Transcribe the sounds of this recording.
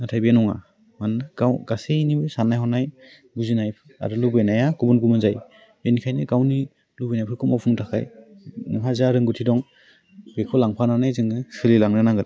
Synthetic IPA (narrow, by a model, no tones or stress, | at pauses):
natʰajbinɔŋa̰ | manɯɡawɡasenibɯsanajhɔnaj | ɡuzinajpʰɯa̰ɾɯlubenajaɡubunɡumɯnzaj | benikʰajnɯɡawni | lubɯjnajpʰɯɾkʰumapʰuŋtʰakʰa̰jmuɦazaɾɯŋɡutʰidɔŋ | b̥ekʰɔlaŋpʰananajzɯŋɯsɯlilaŋnɯnaŋɡɯɾ